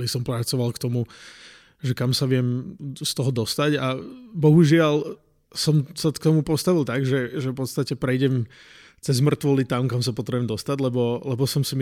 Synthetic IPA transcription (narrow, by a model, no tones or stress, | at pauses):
lisɔmpɾat͡sɔʋalkt̪ɔmu | ʒɛkamsaʋɪɛmst̪ɔɦɔd̪ɔst̪aɟabɔɦuʒɪal | sɔmsakt̪ɔmupɔst̪aʋilˠt̪aɡʒɛʒɛfpɔt̪st̪acɛpɾɛjɟɛm | t͡sɛzmr̩t̪ʋɔlit̪amkamsapɔt̪ɾɛbɛmd̪ɔst̪aɟlɛbɔlɛbɔsɔmsim